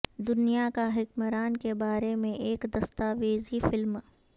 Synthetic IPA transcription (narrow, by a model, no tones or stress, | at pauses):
d̪ʊnijakaɦɪkməɾaːnkebaːɾemẽʔeːkd̪ɐst̪aːʋeːzifɪlm